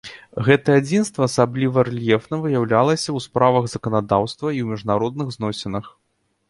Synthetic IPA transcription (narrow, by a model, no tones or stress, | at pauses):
ɣɛt̪ɐɛad͡zʲinst̪vɐːsablʲivɐrɛlʲjɛfnɐvɨjawlʲalˠɐsʲɐwspɾavɐɣz̥ɐkɐnad̪awst̪vɐiwmʲiʐnaɾɔd̪̚nɨɣznɔsʲɛnɐx